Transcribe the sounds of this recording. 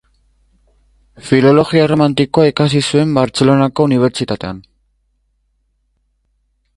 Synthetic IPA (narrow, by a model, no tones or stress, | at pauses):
filo̞lo̞ɣiaeromant̪iko̞aikas̬isue̞mbaɾt͡se̞lo̞nako̞uniβ̞e̞ɾt͡sit̪at̪e̞an